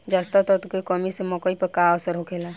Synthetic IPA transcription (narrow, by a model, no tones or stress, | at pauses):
d͡ʒaːst̪at̪ɔt̪kekɔmisemɔːkəipəkaɔsəɾɦokʰela